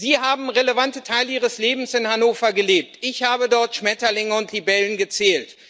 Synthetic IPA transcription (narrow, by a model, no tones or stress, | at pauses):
ziːɦaːbm̩ʁeləvantətʰaɪləiːʁ̞əsleːbm̩sɪnhanoːfɐɡəleːp̚tʔɪçhaːbədɔɐtʃmɛtɐlɪŋəʊntlibɛlənɡət͡sɛːlt